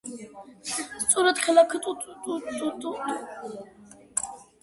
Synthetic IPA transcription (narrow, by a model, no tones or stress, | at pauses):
st̪sʼuɾat̪χɛlakʰt̪ʼut̪ʼut̪ʼuut̪ʼut̪ʼu